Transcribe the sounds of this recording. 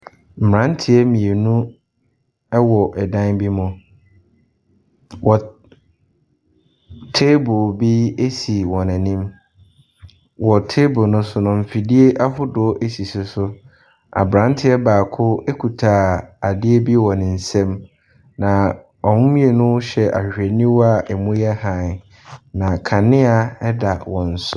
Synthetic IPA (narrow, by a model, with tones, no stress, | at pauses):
m̩˨mɾã˦ntʰɪ˦ɛ˦mĩ˨e˨nũ˦ | ɛ˦wɔ˨ʔɛ˨dã˦nbi˦mʊ̃˨ | wʔɔ˨ | tʰe˦bʊ˨bi˦e˦si˨wɔ̃˨næ̃˨nĩ˦m | wɔ˨tʰe˦bʊ˨nʊ̃˦sʊ˦nʊ̃˨m̩˨fi˨di˦e˦ʔa˦ɦʊ˦dʊ˨˦ʔe˦si˨sʊ˨sʊ˦ | a̰˨bɾã˨˦n˦tʰɪ˦ɛ˦baː˨kʰʊ˦e˦kʰu˨tʰaː˨a˨dɪ˦e˦bi˦wɔ̃˨nɪ̃˨n̩˨sɛ̃˦m | nã˨ | ɔ˨mʊ̃˦mĩ˦e˨nʊ̃˦ɕɛ˨ʔa̰˨ɕᶣe˨nĩ˦wɔ˦a˨ʔɛ˨mũ˦jɛ˦hã˨ | nã˨kʰã˨nɪ̃˦a˨ɛ˦da˨wɔ̃˨n̩˨sʊ˦